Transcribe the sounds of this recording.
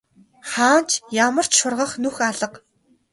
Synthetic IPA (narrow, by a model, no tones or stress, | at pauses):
χaːnt͡ɕʰjamə̆r̥t͡ɕʃʊrʁə̆χnuxaɮə̆q